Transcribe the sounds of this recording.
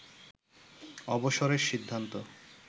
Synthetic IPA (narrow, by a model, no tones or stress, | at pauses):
ɔboʃoɾeɾʃid̪ʱːant̪o